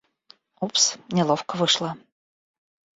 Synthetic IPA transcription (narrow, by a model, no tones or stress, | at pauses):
upsnʲɪlˠofkəvɨʂlˠə